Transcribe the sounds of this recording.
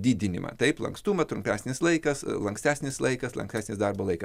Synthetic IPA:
d̪ʲiːd̪ʲɪnʲɪ̰mɐ̰t̪ɐɪplˠɐ̰ŋkst̪uːmɐt̪ɾʊmʲpʲæːsʲnʲɪslˠɐɪkɐslˠɐŋksʲt̪ʲæːsʲnʲɪslˠɐɪkɐslˠɐ̰ŋksʲt̪ʲæːsʲnʲɪsd̪ɐrboːlˠɐɪkɐ

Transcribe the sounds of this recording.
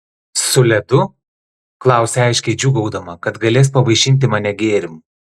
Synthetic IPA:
sʊlʲɛd̪ʊ | klˠɑˑʊsʲɛɑɪʃʲkʲɛɪd͡ʒʲuɡɐʊd̪ɐmɐkɐt̪ɡɐlʲeːs̬pɐʋɐɪʃʲɪnʲt̪̬ʲɪmɐnʲɛɡʲeːɾʲɪmu

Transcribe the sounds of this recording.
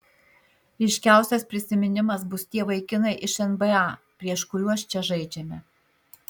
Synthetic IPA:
ɛɪʃʲkʲæˑʊsʲɛspʲɾʲɪsʲɪmʲɪnʲɪmɐsbʊst̪ʲiɛʋɐɪkʲɪnɐɪʔɪʃɛnbɛɑpʲɾʲiɛʃkʊɾʲuɔʃt͡ʃʲɛʒɐɪd͡ʒʲɛmʲɛ

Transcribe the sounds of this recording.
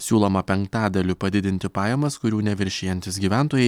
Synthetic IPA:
sʲuːlˠɔmɐpʲɛŋkt̪ɑːd̪ɐlʲɪpɐd̪ʲɪd̪ʲɪnʲt̪ʲɪpɑːjɛmɐskʊɾʲuːnʲɛʋʲɪɾʲʃʲeːjɛnʲt̪ʲɪsɡʲiːʋʲæˑnt̪oːjɛɪ

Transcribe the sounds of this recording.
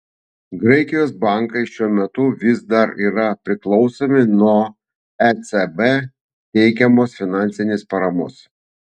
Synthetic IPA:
ɡɾɐɪkʲɪjoːsbɑˑŋkɐɪʃʲuɔmʲɛt̪ʊʋʲɪsd̪ɐɾiːɾɐpʲɾʲɪklˠɒʊsoːmʲɪnuɔ | ɛt̪sɛbɛ | t̪ʲɛɪkʲɛmoːsfʲɪnɑˑnʲsʲɪnʲɪspɐɾɐmʊs

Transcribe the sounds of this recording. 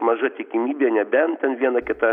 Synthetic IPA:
mɐʒɐt̪ʲɪkʲɪmʲiːbʲeːnʲɛbʲɛnt̪ʲɛnʋʲiɛnɐkʲɪt̪ɐ

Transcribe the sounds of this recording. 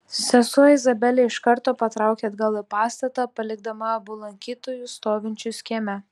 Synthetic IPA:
sʲɛsuɪzɐbʲɛlʲeːɪʃkɐɾt̪oːpɐt̪ɾɑˑʊkʲeːd̪ɡɐlˠɪpɑːst̪ɐt̪ɑpɐlʲɪɡ̚d̪ɐmɐɐbʊlˠɐŋʲkʲiːt̪oːjʊst̪oːʋʲɪnʲt͡ʃʲʊsʲkʲiːmʲɛ

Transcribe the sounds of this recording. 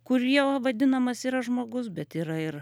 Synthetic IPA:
kʊɾʲiɛʋɐd̪ʲɪnɐmɐsiːɾɐʒmoːɡʊs̬bʲɛt̪iːɾɐɪɾ

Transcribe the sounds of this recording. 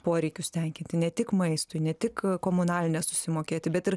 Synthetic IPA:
poːɾʲɛɪkʲʊsʲt̪ʲɛŋʲkʲɪnʲt̪ʲɪnʲɛt̪ʲɪkmɐɪst̪ʊɪnʲɛt̪ʲɪkkoːmʊnɑːlʲɪnʲɛsʊsʲɪmoːkʲeːt̪ʲɪbʲɛt̪ɪɾ

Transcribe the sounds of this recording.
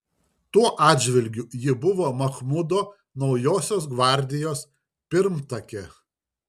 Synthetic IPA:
t̪uɔʔɑːd̪ʲʒʲʋʲɪlʲɡʲʊjɪbʊʋoːmɐxmʊd̪oː | nɒʊjoːsʲoːs̬ɡʋɑˑɾʲd̪ʲɪjoːs | pʲɪɾmt̪ɐkʲɛ

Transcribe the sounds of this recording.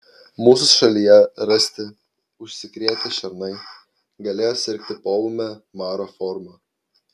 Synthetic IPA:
muːsʊsʃɐlʲijɛɾɐsʲt̪ʲɪ | ʊʃʲsʲɪkɾʲiɛt̪ʲɪʃʲɛɾnɐɪ | ɡɐlʲeːjoːsʲɪɾʲkʲt̪ʲɪpoːlˠʊmʲɛmɑːɾoːfɔɾmɑ

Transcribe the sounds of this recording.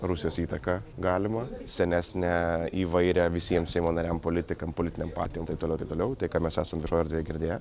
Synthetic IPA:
ɾusʲɪjoːsiːt̪ɐkɑɡɑːlʲɪmɐsʲɛnʲæːsʲnʲæiːʋɐɪɾʲɛʋʲɪsʲiɛmsʲɛɪmoːnɐɾʲæmpoːlʲɪt̪ʲɪkɐmpolʲɪt̪ʲɪnʲeːmpɑ̰ːt̪ʲɪjoːmt̪ɐɪpt̪olʊt̪ɐɪpt̪oːlʲɛʊt̪ɐɪkɐtmʲɛsæːsɐmʋʲɪʃoːoɾʲd̪ʲeːjɛɡʲɪɾʲd̪ʲeːjɛ

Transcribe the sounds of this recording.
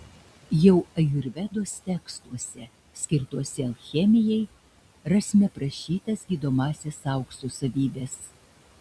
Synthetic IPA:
jɛʊɐjʊɾʲʋʲɛd̪oːst̪ʲɛkst̪uɔsʲɛ | sʲkʲɪɾt̪uɔsʲɛlˠxʲɛmʲɪjɛɪ | ɾɐsʲmʲɛpɾɐʃʲiːt̪ɐsɡʲiːd̪oːmɑːsʲeːsɑˑʊkʃt̪osɐʋʲiːbʲeːs

